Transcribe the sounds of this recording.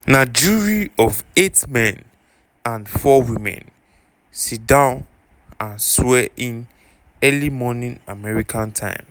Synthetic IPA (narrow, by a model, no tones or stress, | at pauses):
naɪd͡ʒiɹiɔvetmɛ̃n | ãnfɔwĩmɛ̰̃n | sit̚dãʊ̃n | ãnswɛʔĩn | ɛlimɔnĩnamɛɹikʰãntʰã̰ɪ̃m